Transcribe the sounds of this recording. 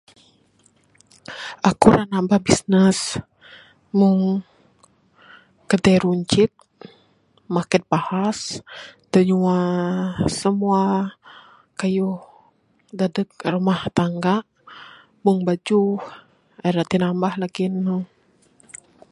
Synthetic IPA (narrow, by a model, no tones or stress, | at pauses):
akuɾʔanambahbisnəs | muŋ | kət̪ɛɾuɲt͡ʃit̪̚ | makɛt̪̚bahasd̥əɲua | səmua | kajuh | dadək̚rumaht̪aŋɡaʔ | muŋbad͡ʒuh | aɾat̪inambahlaɡinːə